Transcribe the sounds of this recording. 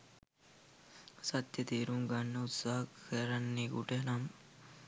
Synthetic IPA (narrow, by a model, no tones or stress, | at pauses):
sɐt̪jət̪iːɾuŋɡanːəut̪saːɦɐkʰːəɾɐnːeːɡṵʈenam